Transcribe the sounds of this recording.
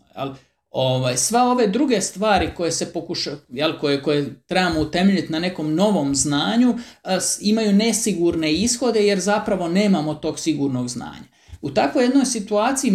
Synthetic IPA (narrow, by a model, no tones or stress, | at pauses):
jḛl | oʋaːjsʋe̞o̞ʋe̞d̪ɾuɡe̞st̪ʋaːɾiko̞jese̞pokuʃajelkojeko̞jet̪ɾebamout̪e̞meʎit̪nane̞ko̞mno̞ʋo̞mznaːɲu | imajuːne̞siɡuɾne̞isxo̞d̪e̞je̞ɾzapɾaʋo̞ne̞ːmamot̪o̞ːɡsiɡuɾno̞ɡzna̰ːɲa | ut̪akʋo̞je̞d̪no̞jsit̪uaːt̪sii